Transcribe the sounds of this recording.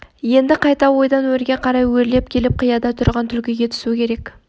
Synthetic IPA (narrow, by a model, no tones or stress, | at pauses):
je̞nd̪ɪqʰɑjt̪ɑwo̞jd̪ɑnwɵɾɡʲe̞qʰɑɾɑjwɵɾle̞p̚kʲʰe̞lɪp̚qʰijɑd̪ɑt̪ʰʊɾʁɑnt̪ʰʏlkʲɪjʲe̞t̪ʰɪ̥sukʲʰe̞ɾe̞kʲ